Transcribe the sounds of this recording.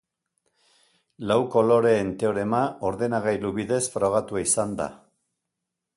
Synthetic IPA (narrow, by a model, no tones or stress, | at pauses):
lawko̞lo̞ɾe̞ːnt̪e̞oɾe̞mao̞ɾðe̞naɣajluβiðe̞sfɾo̞ɣ̞at̪uaisand̪a̰